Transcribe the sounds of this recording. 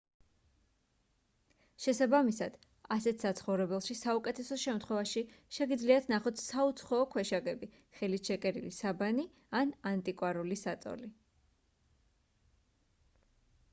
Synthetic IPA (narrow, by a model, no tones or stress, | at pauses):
ʃɛsabamisad̪̥ | asɛt̪ʰsat̪sʰχɔvɾɛbɛlˠʃisaukʼɛt̪ʰɛsɔʃɛmt̪ʰχwɛvaʃiʃɛɡid̪zliat̪ʰnaχɔt̪ʰsaut̪sʰχɔːkʰwɛʃaɡɛbi | χɛliʃɛkʼɛɾilisabani | anant̪ʼikʼwaɾulisat̪sʼɔ̰li